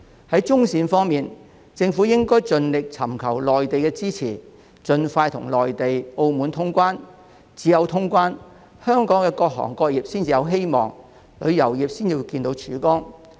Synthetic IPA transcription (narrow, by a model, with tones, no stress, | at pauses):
hɐ˨˥jt͡sʊ˥ŋsiː˨˧nfɔː˥ŋmiː˨n | t͡sɪ˧ŋfuː˨˥jɪ˥ŋkɔː˥jt͡sɵ˧nlɪ˨k̚t͡sʰɐ˨˩mkʰɐ˨˩wlɔː˨jt̪e˨jkɛː˧t͡siː˥t͡sʰiː˨˩ | t͡sɵ˧nfaː˧jt̪ʰʊ̰˨˩ŋlɔː˨jt̪e˨jo˧wmuː˨˥nt̪ʰʊ˥ŋkʷaː˥n | t͡siː˨˥jɐ˨˧wt̪ʰʊ˥ŋkʷaː˥n | hœː˥ŋkɔː˨˥ŋkɛ˧kɔː˧k̚ɦɔ̰ː˨˩ŋkɔː˧k̚jiː˨p̚siː˥nt͡siː˨jɐ˨˧wɦe˥jmɔː˨˩ŋ | lɵ˨˧ɥjɐ˨˩wjiː˨p̚siː˥njiː˧wkiː˧nt̪o˧˥wt͡ʃʰyː˨˥kɔː˥ŋ